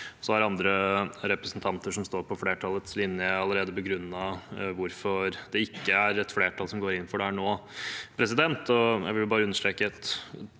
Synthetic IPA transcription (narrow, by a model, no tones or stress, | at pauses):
sɔhæɾɑnd̪ɾəɾɛpɾɛsnt̪ʰɑnt̪əʂɔmst̪oːɾpʰɔfleːʈʰɑːlət̪slɪnjəɑləɾeːd̪əbəɡɾʉnːɑʋʊɾfɔɾd̪ɛɪkːəæɾɛt̪fleːʈʰɑlsɔmɡoːɾɪnːn̩fɔɖɛæɳoːpʰɾɛsɪd̪ɛnt̪ɔjæ̰ɪʋɪljʊbɑːɾəʉnːəʂʈɾeːkəɛt̪